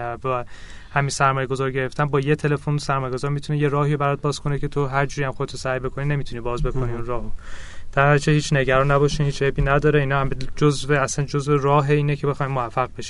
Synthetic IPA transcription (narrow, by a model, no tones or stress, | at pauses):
ævæ | hæmisæɾmɒːje̞ɡo̞zɒːɾɟe̞ɾe̞ft̪ænbɒːjet̪ʰe̞le̞fonosæɾmɒːjeɡozɒːɾmit̪ʰuneje̞ɾɒːhiːobæɾɒt̪̚bɒːz̥kʰo̞necʰe̞t̪ʰoɦæɾd͡ʒuːɾijæmxod̪et̪usæjbe̞kʰo̞nine̞mit̪ʰuniːbɒːzbe̞kʰo̞niːunrɒːɦod̪̥æɾæɾd͡ʒʰehiːt͡ʃʰne̞ɟæɾɒnːæbɒːʃiːnhiːt͡ʃʰhebiːnæd̪ɒːɾeiːnɒːhæmed͡ʒozveæsænd͡ʒozverɒːɦeiːnecʰe̞be̞xɒːjmoæfːæɣ̚be̞ʃi̥